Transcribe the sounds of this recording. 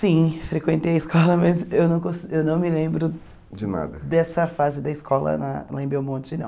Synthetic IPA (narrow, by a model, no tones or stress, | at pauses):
sĩfɾekwẽnt̪ejɐɪskɔlɐmɐzewnɐ̃w̃kõsewnɐ̃w̃mɪlẽmbɾʊ | d͡ʒɪna̰d̪ɐd̪ɛsɐfazɪd̪ɐiskɔlɐ̰nɐ̰lẽmbɾew̃mõt̪ʊd͡ʒɪnɐ̰̃